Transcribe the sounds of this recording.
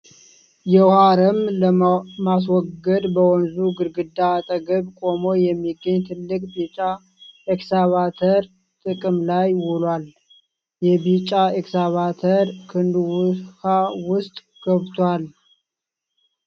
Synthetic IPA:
jɛhaɾəmləmas̬wɔɡːəd̪bəwɔnzuɡɨɾɡɨd̪ːaːt̪ʼəɡəβkʼo̞mojɛmːiɡːəɲːt̪ʰɨlːɨkʼbit͡ʃʼa | eksaβat̪ʰəɾ | t̪ʼɨkʼɨmlajwulwal | jɛbit͡ʃʼaeksaβat̪ʰəɾkʰɨnd̪wʊhawʊst̪ʼ | ɡ̥əβt̪ʰwal

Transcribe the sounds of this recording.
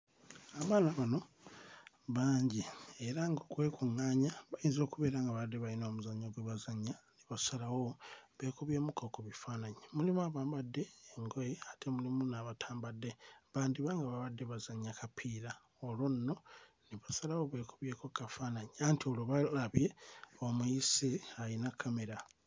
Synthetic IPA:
aβaːnaβano̞ | βaːɲɟieɾaŋɡokwe̞ːkuŋaːɲaβajinzo̞ːkuβe̞ːɾaŋɡaβadːeβainoːmuzaɲːoɡweβazaɲːaniβasalawo̞βe̞ːkuβje̞ːmukokoβifaːnaɲemulimuaβaːmbadːe̞ːŋɡojiatʰemulimunaβatʰaːmbadːeβaːndiβaŋɡaβaβadːe̞βazaɲːakapʰiːɾa | olwonnːo̞ | niβasalawo̞βe̞ːkuβje̞ːko̞kafaːnaɲeantiolwoβalaβje̞omuisiajinakʰːame̞ɾa

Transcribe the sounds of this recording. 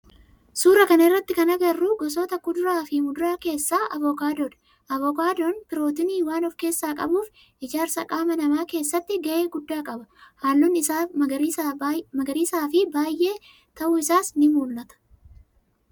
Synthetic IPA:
suːɾɐkɐnɐɪrːɐt̪ːɪkɐnɐɡɐrːuːɡɔs̬oːt̪ɐkʊd̪ʊɾaːfɪmʊd̪ʊɾaːke̞ːsːaːʔɐvɔkaːd̪oːᶑ̪ɐ̥ | ʔɐvɔkaːd̪oːnpɪɾo̞ːt̪ɪniːwaːnɔfke̞ːsːaːkʼɐ̰buːf | ʔɪd͡ʒaːɾsɐkʼaːmɐnɐmaːke̞ːsːɐt̪ːɪɡɐʔe̞ːɡʊd̪ːaːkʼɐbɐhaːlːʊnːɪa | mɐɡɐɾiːsaːfɪbaːjʔe̞ː | t̪ɐʔʊɪsaːsnɪmuːlːɐt̪ɐ̥

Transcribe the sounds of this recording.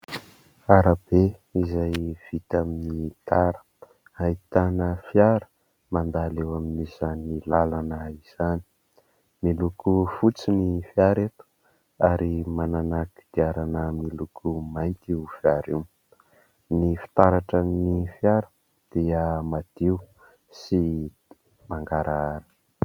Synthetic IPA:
aɾəb̥e | izajv̥it̪aminit̪aɾə̥ | ait̪anəfjaɾə̥ | mand̪alewaminizanilalanəiz̥ani̥ | milukufut͡sinifiaɾet̪u̥ | aɾimananaki̥d̪̥iaɾanəmilukʰumajnt̪iufiaɾiw | nifi̥t̪aɾaʈ͡ʂənifjaɾə̥ | d̪̥iəmad̪̥iu | si | maŋɡaɾaaɾə̥

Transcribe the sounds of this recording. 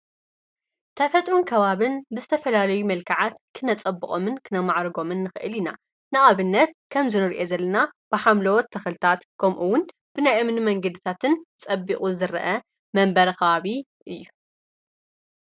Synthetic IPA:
t̪ʰɐfɐt̪ʼɾunkʰɐβaβɨnbɨzɨt̪ʰɐfɐlalɐjumɐlkʰaʕat̪kʰɨnɐt͡sʼɐbːɨχʼo̞̰mɨnkʰɨnɐmaʕɾɨɡo̞mɨnːɨxɨʔɨlina | nɨʔaβɨnːɐt̪̚kʰɐmzɨnɨɾʔezɐlːɐnab̥ɨħamlɐwɔt̪ʰːɐxɨlɨt̪ʰat̪kʰɐmʔuwʊn | b̥ɨnajʔɨmnɨmɐŋɡɐd̪ɨt̪ʰat̪ʰɨnt͡sʼɐbːiχʼuzɨɾɐʔɐ | mɐmbɐɾɐxɐβaβi | ʔɨjːu

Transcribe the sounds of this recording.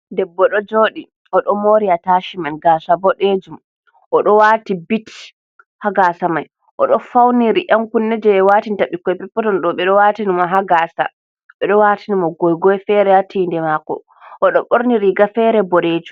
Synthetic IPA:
dɛbːɔɗɔd͡ʒoɗi | ɔɗɔmoɾiataʃimanɡaːsabɔɗed͡ʒum | ʔɔɗɔwaːtibit | haɡasamaj | ʔɔɗɔfawniɾiʔamkunːɛd͡ʒɛɛwatintaɓikːɔjpɛpːɔtɔnɗɔɓɛɗɔwatinimɔɦaɡaːsa̰ | ɓɛɗɔwatinimɔɡɔjɡɔjfɛɾɛjatʰindɛmakɔ̰ | ʔɔɗɔɓoɾniɾiɡafɛɾɛbɔɾed͡ʒu

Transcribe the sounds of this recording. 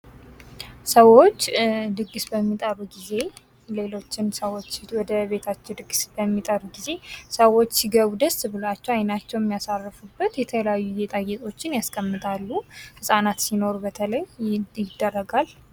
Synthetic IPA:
səwo̞t͡ʃːd̪ɨɡːɨsbəmːit̪ʼəɾuɡize̞ | le̞lo̞t͡ʃːɪnsəwot͡ʃːwɔd̪əbe̞t̪ʰat͡ʃːɛwd̪ɨɡsbəmːit̪ʼəɾɡize̞səwo̞t͡ʃːsiɡəβud̪əst̪bɨlat͡ʃːɛwajnat͡ʃːɛwɛmːijasarːɨfubːət̪jɛt̪ʰələjajːujɛt̪ʼajɛt̪ʼo̞t͡ʃːɪnjaskʰʼəmːɨt̪ʼalːuhɨsʼanat̪sino̞ɾubət̪ʰələjjɪd̪ːərːəɡal

